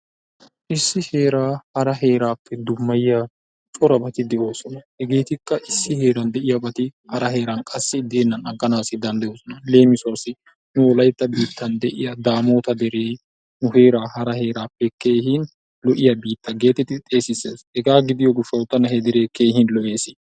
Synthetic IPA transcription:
ʔɪsːɪhe̞ːɾaːhɐɾɐɦe̞ːɾaːpːɛd̪ʊmːɐjɪja | t͡ʃʼɔɾɐbɐt̪ɪd̪ɛʔo̞ːsɔnɐhɛɡe̞ːt̪ɪkːɐʔɪsːɪhe̞ːɾɐnd̪ɛʔɪjɐbɐt̪ɪhɐɾɐɦe̞ːɾɐnkʼɐsːɪd̪e̞ːnːɐnɐɡːɐnaːsɪd̪ɐnd̪ɐjo̞ːsɔnɐle̞ːmɪsʊaːsɪ | nʊɔlɐjt̪ːɐbiːt̪ʰːɐnd̪ɛʔɪ̰jɐd̪aːmo̞ːt̪ɐd̪ɛɾeː | nʊhe̞ːɾaːhɐɾɐɦe̞ːɾaːpːɛke̞ːhɪn | lɔʔɪjɐbiːt̪ːɐɡe̞ːt̪ɛt̪ːɪt̪ʼe̞ːsɪseːshɛɡaːɡɪd̪ɪjɔɡʊʃɐwt̪ːɐnɐhɛd̪ɪɾeːke̞ːɦɪnlɔʔeːsɪ

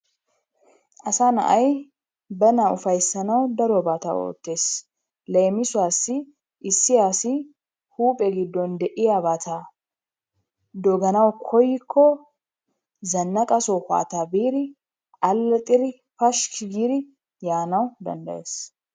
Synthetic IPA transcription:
ʔɐsaːnɐ̰ʔɐj | bɐnaʊfɐjsːɐnɐwd̪ɐɾɔbaːt̪a̰ːo̰ːt̪ːe̞ːs | lejmɪsʊaːsɪ | ʔɪsːɪjaːsɪ | huːpʼɛɡɪd̪ːɔnd̪ɛʔɪjabat̪ʰaː | d̪ɔɡɐnɐwkʰɔjɪkʰːɔ | zɐnːɐkʼɐsɔha̰ːt̪aːbiːɾɪ | ʔɐlːɐt̪ʼɪɾɪ | fɐʃkɪɡiːɾɪ | jaːnɐwd̪ɐ̰nd̪ɐʔe̞ːs

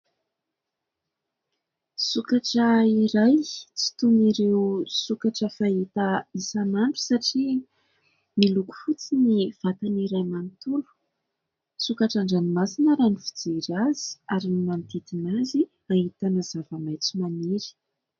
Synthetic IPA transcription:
sukaʈ͡ʂəiɾajt͡si̥t̪uniɾewsukaʈ͡ʂəfaɦit̪əisanaɳʈ͡ʂu̥saʈ͡ʂi | miluku̥fut͡siniv̥at̪aniɾajmanit̪ulu̥ | sukaʈ͡ʂaɳɖ͡ʐanimasinəɾanifid͡zeɾazi̥aɾinimant̪it̪inazi | aɦit̪anaz̥avəmajt͡simaniɾi̥

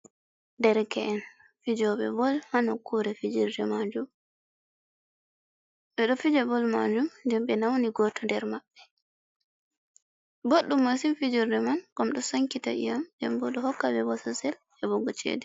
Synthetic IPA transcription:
ndɛɾkɛʔɛn | fid͡ʒɔbɛ̰bɔlhanɔkuɾɛfid͡ʒiɾdɛmad͡ʒum | ɓɛɗɔfid͡ʒɛbɔlma̰d͡ʒumdɛmɓɛnawniɡɔtɔndɛɾmaɓːɛ | boɗːumːosimfid͡ʒiɾdɛmankɔmɗɔsaŋkita̰ʔḭjamd͡ʒɛ̰mbɔɗɔhɔkːabɛwɔsɔsɛl | ɛbɔɡɔt͡ʃɛ̰ːdɛ

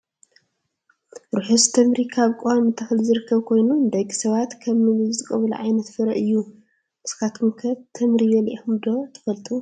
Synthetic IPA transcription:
ɾuħost̪ʰɐmɾikʰaβkʼamɨnt̪ʰɐxɨlzɨɾɨkʰːɐβkʰo̞jnud̪ɐɡisɐβat̪kʰɐβːɨβɨzzɨkʼɐβɐluʕajnɐt̪fɨɾɐʔɨjːu | ʔɨskat̪ʰumkʰɐt̪ʰɐmɾiβɐlʔiumd̪o̞t̪ʰɐ̥fɐlt̪ʼu

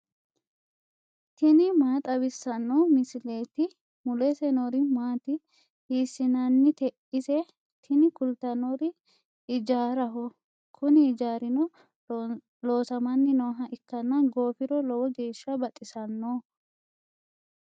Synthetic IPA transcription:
t̪ɪnɪmaːt̪ʼɐbɪsːɐnːɔmɪsɪleːt̪ɪ | mʊlɛsɛnɔɾɪmaːt̪ɪ | hiːsːɪnɐnːɪt̪ɛʔɪsɛ | t̪ʰɪnɪkʊlt̪ɐnɔɾɪ | ɪd͡ʒaːɾɐɦɔ | kʰʊnɪd͡ʒaːɾɪnɔ | lo̞ːsɐmɐnːɪnɔːɦɐʔɪkːɐnːɐɡo̞ːfɪɾɔlɔwɔɡe̞ːʃːɐbɐt̪ʼɪsɐnːo

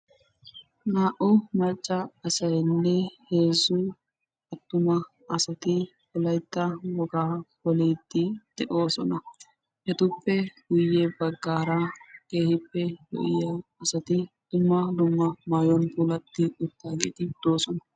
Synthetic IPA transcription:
naːʔʊmɐɾt͡ʃʼːɐɐsɐjnːɛheːzʊ | ɐt̪ːʊmɐ | ɐsɐt̪ɪ | kɔlɐjt̪ːɐwɔɡaːkɔleːd̪ːɪd̪̥ɛʔo̞ːsɔnɐ | ʔɛt̪ʊpːɛɡ̥ʊjːɛbɐɡːaːɾake̞ːhɪpːɛjɔ̰ʔɪ̰jaːsɐt̪ɪd̪̥ʊmːɐd̪ʊmːɐmajɔnpulɐt̪ːɪʊt̪ːaːɡḛːt̪ɪd̪̥o̞ːsɔnɐ

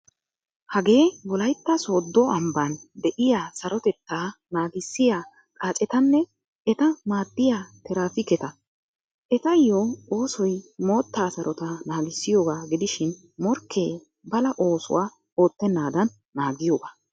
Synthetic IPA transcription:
hɐɡe̞ːbɔlɐjt̪ːɐso̞ːd̪ːɔɐmband̪ɛʔɪjaːsɐɾɔt̪ɛt̪ːaːnaːɡɪsːɪja | kʼaːt͡ʃʼɛt̪ɐnːɛ | ɛt̪ɐmaːd̪ːɪjaːt̪ɛɾaːfɪkːɛt̪ɐ | ʔɛt̪ɐjːoo̞ːsɔjmo̞ːt̪ːaːsɐɾɔt̪ɐnaːɡɪsːɪjoːɡaːɡɪd̪ɪʃɪn | mɔɾkʰːe̞ː | bɐlɐʔo̞ːsʊ̰waː | o̞ːt̪ːɛnːaːd̪ɐnːaːɡɪjoːɡaː

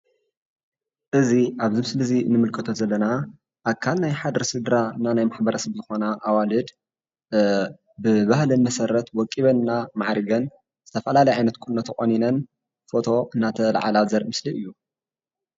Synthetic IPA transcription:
ʔɨziʔaβzɨmɨslɨzinɨmɨlkʰɨt̪ʰozɐlːɐna | ʔaβkʰalnajħad̪ɾɐsɨd̪ɾananajmaħbɐɾɐsɐβzɨxo̞naʔːwalɨd̪ | bɨβahlɨnmɐsɐɾːɐt̪wɔkʼːiβɐnːamaʕɾiɡɐn | z̥ɨt̪ʰɐfɐlalɐjʕajnɐt̪kʰʼunːɐt̪ʰχʼoninɐn | fo̞t̪ʰo̞ʔɨnːat̪ʰɐla̰ʕa̰lazɐɾmɨsliɨjːu

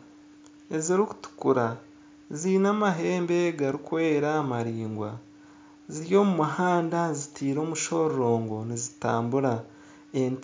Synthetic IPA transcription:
e̞ziɾiku̥tu̥kuɾa | ziːnamaɦe̞ːmbe̞ɡaɾikwe̞ːɾamaɾiːŋɡwa̰ | ziɾjo̞ːmumuhaːndazitʰiːɾo̞ːmuʃo̞ːɾo̞ːŋɡo̞nizitaːmbuɾa | en

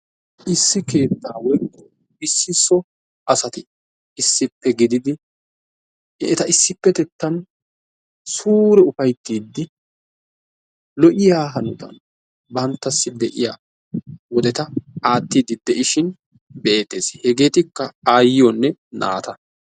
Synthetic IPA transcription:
ʔɪsːɪke̞ːt̪ːaːwɔjkːɔ | ɪsːɪsːɔ | ɐsɐt̪ɪ | ɪsːɪpːɛɡɪd̪ɪd̪ɪ | ɛ̰t̪ɐɪsːɪpːɛt̪ɛt̪ːɐn | suːɾɛʊfɐjt̪ːiːd̪ːɪ | lɔʔɪjaːɦɐnʊt̪ɐ̰n | bɐnt̪ːɐsːɪd̪ɛʔɪ̰ja̰ | wɔd̪ɛt̪ɐaːt̪ːiːd̪ɪd̪ɛʔɪʃɪn | be̞ːt̪ːe̞ːshɛɡe̞ːt̪ɪkːɐaːjɪjɔnːɛna̰ːt̪ɐ

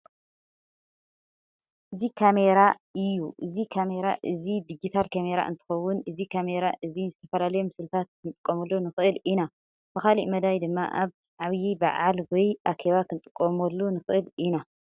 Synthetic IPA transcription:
ʔɨzikʰame̞ɾaɨjːuʔɨzikʰame̞ɾaʔɨzid̪id͡ʒit̪ʰalkʰame̞ɾa̰ʔɨ̰nt̪ʰɨ̥xɐwːʊnɨzikʰame̞ɾaʔɨzizɨt̪ʰɐfɐlalɐjomɨsɨlt̪ʰat̪̚kʰɨnt̪ʼɨkʼːomɐlːunɨxɨʔɨlina | b̥ɨxalḭʔmɐd̪ajd̪ɨmːa̰ʔaβ | ʕaβjibɐ̰ʕalwɔjʔakʰeβakʰɨnt̪ʼɨkʼːomɔlːunɨxɨʔɨlina

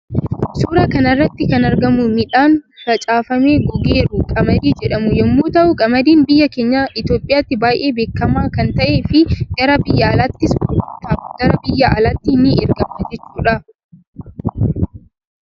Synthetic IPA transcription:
suːɾɐkɐnɐrːɐt̪ːɪkɐnɐɾɡɐmʊmɪᶑaːnfɐt͡ʃʼaːfɐme̞ːɡɔɡe̞ːɾʊkʼɐmɐd̪iːd͡ʒɛᶑɐmʊjɛmːoːt̪ɐʔʊkʼɐmɐd̪iːnbɪjːɐke̞ːɲːaːʔɪt̪jo̞ːpʼɪjaːt̪ːɪbaːjʔe̞ːbe̞ːkːɐmaːkɐnt̪ɐʔe̞ːfɪɡ̥ɐɾɐbɪjːɐːlaːt̪ːɪsʊt̪aːɡɐɾɐbɪjːɐʔɐlaːt̪ːɪnːɪɛɾɡɐmɐd͡ʒɛt͡ʃːuːᶑɐ

